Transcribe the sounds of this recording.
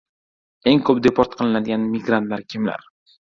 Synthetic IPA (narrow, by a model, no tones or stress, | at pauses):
e̞ŋkʰɵp̚d̪epʰoɾt̪̚qʰɨlˠɪnad̪ɪɡʲanmɪɡɾant̪laɾkʲʰɪmla̰ɾ